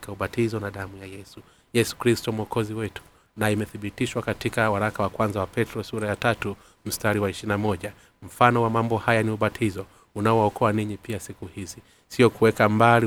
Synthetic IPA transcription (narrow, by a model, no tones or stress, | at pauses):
kauɓatʰizɔnaɗamujajɛsu | jɛsu̥kɾistɔmuɔkɔziwɛtu̥ | naimɛθiɓitiʃwakatikawaɾakawakwanzawapɛtɾɔsuɾajatatu | m̩staɾiwaiʃinamɔʄa | m̩fanɔwamambɔhajaniuɓatʰizɔ | unaɔwaɔkʰɔaniɲipiasikuhizi | siɔkuwɛkambali